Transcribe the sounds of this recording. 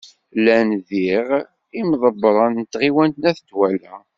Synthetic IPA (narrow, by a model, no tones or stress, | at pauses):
lænðiʁ | imðˤəbːɾˤənət̪ːʁiwænt̪næθt̪ːwælæ